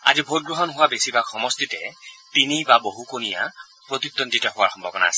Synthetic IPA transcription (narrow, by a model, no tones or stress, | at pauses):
a̰zibʱot̚ɡɹɔɦɔnɦʊwabesibakʰɔmɔstitɛtinibaboɦukonija̰ | pɹotik̚tɔntitɔhʊaɹxɔmbʱɔbɔna̰asɛ̥